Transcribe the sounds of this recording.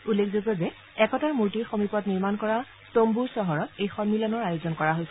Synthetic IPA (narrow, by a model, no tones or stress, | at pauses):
ulːekʰzobɔzɛ | ɛkɔtaɹmuɹtiɹxomipɔtniɹmankɔɹa | tombuɹsɔɦɔɹɔtejxɔnmilɔnɔɹajozɔnkɔɹaɦojsɛ